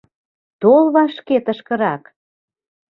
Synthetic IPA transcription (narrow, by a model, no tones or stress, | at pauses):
t̪olβɑʃket̪ə̆ʃkə̆ɾɑk